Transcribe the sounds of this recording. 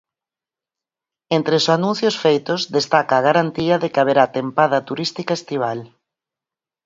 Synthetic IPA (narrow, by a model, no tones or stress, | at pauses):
ent̪ɾesanũnθjosfejt̪ʊzðest̪akaːɣaɾant̪iɐðekaβeɾaːt̪empaðɐt̪uɾist̪ikaest̪iβ̞al